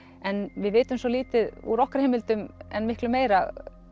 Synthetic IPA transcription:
ɛnvɪðvɪːt̪ʏmsɔliːt̪ɪðṵɾɔhkaɾ̥heːmɪlt̪ʏmɛ̰nmɪhklʏmːeːjɾa

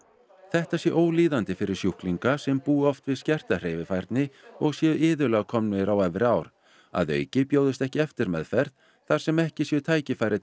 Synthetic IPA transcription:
θɛht̪asjɛʔoːwliːðant̪ɪfɪɾɪɾ̥sjuhkliŋkasɛmpuːɔft̪vɪðscɛr̥t̪ar̥eːjvɪfajɾt̪nɪɔɣsjœɪːðʏlaɣkʰɔmnʏɾawɛvɾɪaːwɾ̥ | a̰ðœ̰ːɥcɪpjoːwðɪst̪ɛhcɪɛft̪ɪɾmɛ̰ðfɛɾ̥t̪ | θaɾ̥sɛmɛhcɪsjɛt̪ʰaːjcɪfaːjɾɪ

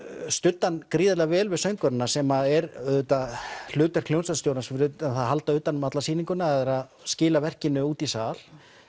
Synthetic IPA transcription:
st̪ʏt̪ːankɾiːðɪlvɛːlvɪðsœjŋkœɾɪnːasɛmaɛɾɛðhet̪al̥ʏːt̪aɾ̥kʰlownsast̪jowɾnasfɾʏɛnθaðɦalt̪aʏːt̪anmat̪lasiːniŋkʏnaɛðɛɾaðscɪːlavɛr̥cɪnːʏuːt̪isaːl

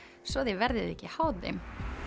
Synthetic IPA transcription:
svɔðevɛɾðɪðɛhcːɪhawðɪ̰m

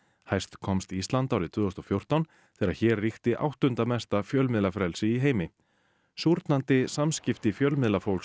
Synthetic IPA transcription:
hajst̪kʰɔmst̪iist̪lant̪awɾɪt̪ʰvʏːɔst̪ɔfjowr̥t̪awn | θɛːɾaçɛːrːixt̪ɪʔa̰wht̪ʏnt̪amɛst̪afjœlmɪðlafɾɛlsɪiɦeːjmɪ | suɾt̪nant̪ɪsamscɪft̪ɪfjœlmɪðlafowls

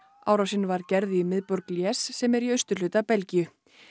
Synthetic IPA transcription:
a̰wɾawsɪnːvaɾcɛɾðɪimɪðpɔɾkljɛːsːɛmɛɾiœɥst̪ʏ̥l̥ʏːt̪apɛlcijʏ

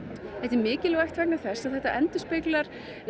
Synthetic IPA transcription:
ɛht̪ɪɾmɪːcɪlɛɣɛht̪vɛk̚naθɛsaðθɛht̪aʔɛnt̪ʏspɪklaɾ̥

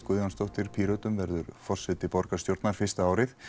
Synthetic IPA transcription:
kʏðanst̪owht̪ɪɾ̥pʰiːɾœːt̪ʏmvɛɾðʏɾfɔr̥sɛt̪ɪpɔɾkḁst̪jowɾt̪naɾ̥fɪ̥st̪aaːwɾɪθ

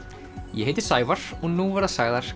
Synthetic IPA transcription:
jɛhɦejt̪ɪ̥saːjvaɾ̥ɔɣnuvaɾðasaɣðaɾ̥

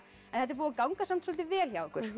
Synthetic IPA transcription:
ɛnθɛt̪̬ːɾpuːakawŋkasamt̪sɔlt̪ɪvɛːlçjawɛhkʏɾ̥

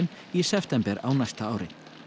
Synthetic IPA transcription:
n | isɛft̪ɛmpɛɾa̰wnajst̪aaːwɾɪ̰

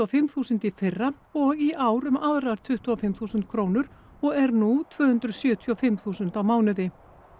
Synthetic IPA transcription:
afɪmθuːsʏnt̪ifɪrːa | ɔɣiʔaːwɾʏmaðɾaɾ̥t̪ʰʏht̪uafɪmθuːsʏnt̪̚kʰɾoːwnʏɾ̥ | ɔɣɛɾnut̪ʰvœːhʏnt̪ɾʏsjœːt̪ʰjɔfɪmθuːsʏnt̪awmaːwnʏðɪ

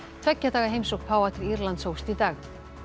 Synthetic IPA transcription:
t̪ʰvɛcːat̪aːɣaɦejmsowxpʰaːwat̪ɪɾiɾlant̪shoːwst̪it̪aːx

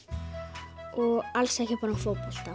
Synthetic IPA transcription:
ɔɣalsɛhcɪpaːɾafoːwpɔl̥t̪a

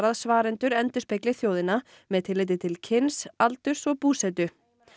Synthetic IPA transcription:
ɾaðsvaːɾɪnt̪ʏɾɛnt̪ʏspɪklɪθjoːwðɪna | mɛðt̪ʰɪlɪjt̪̬ɪt̪ʰɪlcʰɪnsalt̪ʏɾ̥sɔɣpuːsɛt̪ʏ

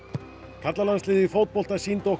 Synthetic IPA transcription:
kʰat̪lalanslɪːðɪfowt̪̚pɔlt̪asint̪o

